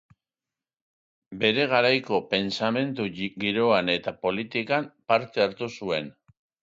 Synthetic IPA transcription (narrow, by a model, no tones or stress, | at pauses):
be̞ɾe̞ɣ̞aɾajko̞pe̞nsame̞nt̪uɣiɾo̞ane̞t̪apo̞lit̪ikampaɾt̪e̞aɾt̪usue̞n